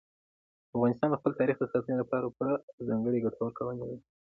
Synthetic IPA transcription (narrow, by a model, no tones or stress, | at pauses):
afɣɑnɪst̪ɑnd̪əxpəlt̪ɑɾixd̪əxat̪unelapɑɾapuɽazɑŋɡəɽeɡaʈʰawəɾkawənewi